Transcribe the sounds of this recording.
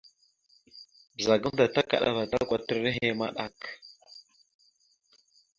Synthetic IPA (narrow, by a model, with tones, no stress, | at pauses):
bə˨za˨ɡə˦mda˨ta˦ka̰˨ɗa̰˨va˨da˦kʷa˨tə˦ɾə˦ɦe˦ma̰˦ɗa̰˨k